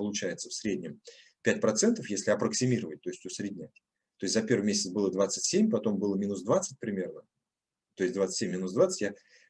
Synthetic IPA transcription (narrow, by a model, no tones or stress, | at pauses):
pəlˠʊt͡ɕæjɪt̪səfsʲɾʲedʲnʲɪm | pʲæt̚ʲpɾɐt̪sɛnt̪əfjesʲlʲɪɐpɾəksʲɪmʲiɾəvət̚ʲt̪o̞ɪsʲt̪ʲusʲɾʲɪdʲnʲætʲ | t̪o̞jɪsʲt̪zɐpʲeɾvɨmʲesʲɪt̪sbɨlˠəd̪vat̪sɨtʲsʲemʲpɐt̪o̞mbɨlˠəmʲinʊsd̪vat̪sət̚ʲpɾʲɪmʲe̞rnə | t̪o̞ɪsʲtʲd̪vat̪sɨ̥tʲemʲːinʊsd̪vat̪sə̥tʲja